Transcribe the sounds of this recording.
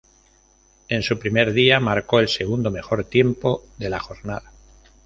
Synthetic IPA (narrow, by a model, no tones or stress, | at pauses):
e̞nsupɾime̞ɾðiamaɾko̞e̞lse̞ɣ̞und̪o̞me̞xo̞ɾt̪je̞mpo̞ðe̞laxo̞ɾnaða